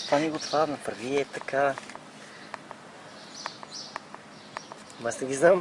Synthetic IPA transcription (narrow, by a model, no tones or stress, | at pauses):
t̪vaniɡʊt̪vanɐpəɾviɛt̪ɐkʰa | masnɛɡʲiznam